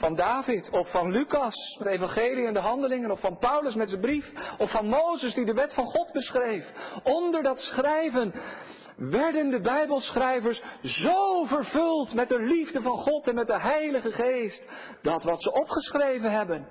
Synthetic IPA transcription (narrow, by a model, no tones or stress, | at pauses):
fɑndaːvɪtʰɔfːɑnlykɑsmɛtejvɑ̃χejliɛndəɦɑndəlɪŋənɔfɑnpʌwləsmɛtdəbrifɔfɑnmowzəsdidəʋɛtfɑnχɔdbəsχrejfɔndəɹdɑtsχrɛjvən | ʋɛɹdəndəbɛjbəlˠsχrɛjvəɹszowvəɹvɵlˠtmɛt̚dəlivdəvɑnχɔtɛnmɛt̚dəɦɛjləχəχejst | d̥ɑtʋɑtsəʔɔpχəsχrejvənɦɛbən